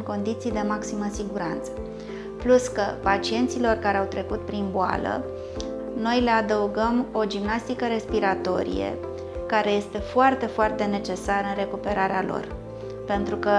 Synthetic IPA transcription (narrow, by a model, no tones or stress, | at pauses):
ŋko̞nd̪it̪sijd̪e̞maksiməsiɡuɾant̪sə̥ | pluskəpat͡ʃie̞nt̪silo̞rkaɾe̞awt̪ɾe̞kut̪̚pɾinboa̰lə̰ | no̞jle̞ad̪əuɡəmo̞d͡ʒimnast̪ikəɾe̞spiɾat̪o̞ɾḭjḛ | kaɾe̞je̞st̪e̞foart̪e̞foart̪e̞ne̞t͡ʃe̞saɾəɨnre̞kupe̞ɾaɾealo̞̰r | pe̞nt̪ɾukə